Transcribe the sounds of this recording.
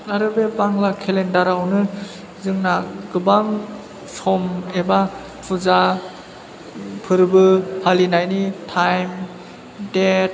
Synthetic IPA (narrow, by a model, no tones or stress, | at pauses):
aɾɯbebaŋlakʰelendaɾawnɯ | zɯŋnaɡɯbaŋ | sɔmeba | pʰuza | pʰɯɾbɯhʰalinajnitʰajm | det̚